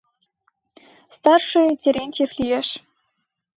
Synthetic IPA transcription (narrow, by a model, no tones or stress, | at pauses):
st̪ɑrʂɨinʲtʲeɾʲenʲtʲeflʲijeʂ